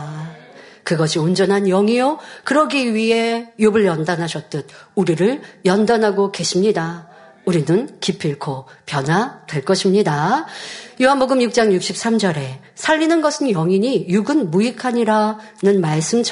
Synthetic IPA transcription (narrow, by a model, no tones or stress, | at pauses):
kɯɡʌɕʰiond͡ʑʌnɦanjʌŋijokɯɾʌɡiɥiɦe̞jobɯɭjʌndanɦaɕʰʌt̚t͈ɯd̚uɾiɾɯɭjʌndanɦaɡoke̞ɕʰimɲida | uɾinɯnkipʰiɭkʰopjʌnɦwatwe̞ɭk͈ʌɕʰimɲida | juɦanboɡɯmjuk̚t͡ɕ͈aŋjuk̚ɕ͈ʰip̚s͈amd͡ʑʌɾe̞ | sʰaʎːinɯnɡʌsʰɯnjʌŋiɲijuɡɯnmuikʰaɲiɾa | nɯnmaɭs͈ɯmt͡ɕʰ